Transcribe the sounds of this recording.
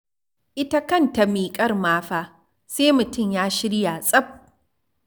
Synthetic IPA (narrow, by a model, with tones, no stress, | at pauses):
ʔɪ˦ta˦kɐ˦˨nta˨miː˨kʼɐ˦rmaː˦ɸaː˦˨ | seː˦mʊ˨tʊ˦˨mjaː˦ʃɪ˦ɽjaː˨sʼɐ˦b̚